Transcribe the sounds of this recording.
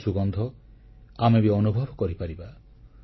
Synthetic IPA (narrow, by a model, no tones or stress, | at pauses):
suɡɔnd̪ʱɔ | amebiɔnubʱɔbʱɔkɔɾipaɾiba